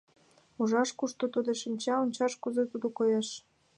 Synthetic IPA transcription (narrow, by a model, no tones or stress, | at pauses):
uʒɑʃkuʃt̪ot̪od̪eʃimʲt͡ɕɑonʲt͡ɕɑʃkuzet̪ud̪okojeʃ